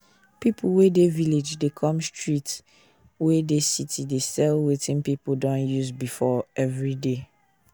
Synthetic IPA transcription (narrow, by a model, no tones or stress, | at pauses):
pipʰuwedeviled͡ʒdekʰɔ̃mstʰɹit | wedesitʰidesɛlwetĩnpipudɔ̃njuzbifɔɛvɹide